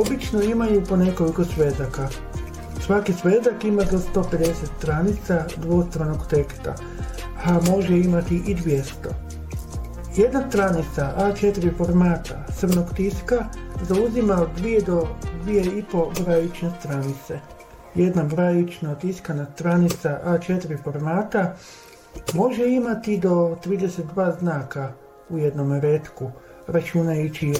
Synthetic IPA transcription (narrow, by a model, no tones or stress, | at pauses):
o̞bit͡ʃnoimajupo̞ne̞ko̞liko̞sʋe̞zaka | sʋakisʋe̞zakimazost̪o̞pe̞d̪e̞set̪st̪ɾanit̪sad̪ʋo̞st̪ɾanoɡt̪e̞kst̪a̰ | hamo̞ʒeimat̪iʔid̪ʋjest̪o̞ | je̞d̪nast̪ɾanit̪saʔat͡ʃe̞t̪iɾifo̞ɾmaːt̪asrmnoɡt̪iskazauzimaod̪d̪ʋije̞d̪od̪ʋije̞ipo̞bɾajut͡ʃnest̪ɾanit̪se̞ | je̞d̪nabɾajut͡ʃnat̪iskanast̪ɾanit̪saʔat͡ʃe̞t̪iɾifo̞ɾmaːt̪a | mo̞ʒe̞imat̪id̪o̞t̪ɾiːd̪eset̪̚d̪ʋaːznaːka | uje̞d̪no̞meɾet̪ku | ɾat͡ʃunajut͡ɕi